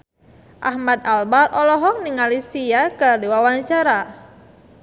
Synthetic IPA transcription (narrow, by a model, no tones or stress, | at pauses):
ʔahmad̪̚albarɔlɔɦɔŋniŋalisijakərdiwawaɲt͡ʃaɾa